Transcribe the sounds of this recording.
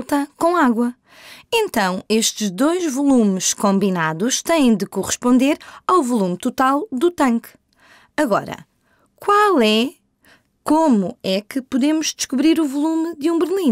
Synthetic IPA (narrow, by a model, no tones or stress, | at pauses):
t̪ɐkõaɣwɐ | ẽnt̪ɐ̃w̃eʃt̪ɨʒd̪ojʒvulˠumɨʃkõmbinaðuʃt̪ɐ̃jẽj̃d̪ɨkuʁɨʃpõnd̪eɾawvulˠumt̪ut̪alˠd̪ut̪ɐ̃ŋk | ɐɣɔɾɐ̰ | kwalˠɛ | komuɛkɨpuðemuʒd̪ɨʃkuβɾiɾuvulˠumd̪ũbɨɾlˠĩ